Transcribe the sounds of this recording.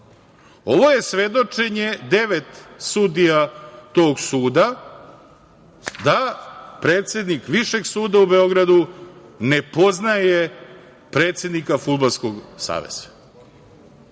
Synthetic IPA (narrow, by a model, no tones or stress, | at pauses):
o̞ʋo̞je̞sʋe̞d̪o̞t͡ʂe̞ɲed̪e̞ʋet̪sud̪ijat̪o̞ːɡsuːd̪a | d̪apɾe̞ːt̪sʲje̞d̪nikʋiʃe̞ɡsuːd̪aube̞o̞ɡɾad̪unepo̞znaje | pɾe̞ːt̪sje̞d̪nikafud̪̚balsko̞ɡsa̰ːʋḛz̥ḁ